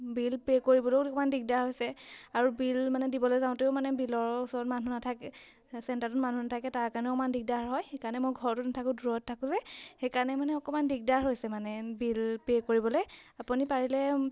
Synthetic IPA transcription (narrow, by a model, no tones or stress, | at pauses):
bilpekoɹibɔlokɔmandik̚daɹɦojsɛaɹubilmanɛdibɔlojzaʊ̃teʊmanɛbilɔɹusɔɹɔtmanunatʰakɛ | sɛntaɹtʊtmanunatʰakɛtaɹkaɹnɛɔkɔmandik̚daɹɦɔjxekaɹnɛmoɡʱɔɹɔtʊtnatʰakʊ̃duɹɔtʰːakʊ̃zɛxekaɹnɛmanɛɔkɔmandik̚daɹɦojsɛmanɛbilpekoɹibɔloj | apunipaɹilɛ